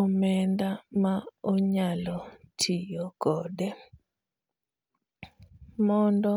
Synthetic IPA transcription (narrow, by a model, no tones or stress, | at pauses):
omɛndamaoɲalɔtʰijɔkɔdɛ | mɔndɔ